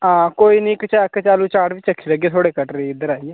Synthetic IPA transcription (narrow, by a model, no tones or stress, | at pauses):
ãːkoːiːnĩːkət͡ʃakt͡ʃaːluːt͡ʃaːʈʋɪt͡ʃəkʰːiːləɡeːt̪ʰoːɽeːkəʈɾeːɪd̪əɾaːiɛː